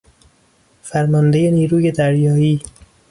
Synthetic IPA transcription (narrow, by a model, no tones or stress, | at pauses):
fæɾmɒnd̪e̞je̞niːɾuːje̞d̪æɾjɒːiː